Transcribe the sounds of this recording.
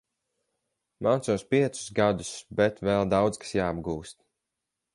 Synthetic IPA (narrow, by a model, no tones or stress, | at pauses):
maːsuːspiɛt̪su̥sɡad̪usbɛt̪vɛlˠd̪awd̪skḁsjaːbɡuːst̪̚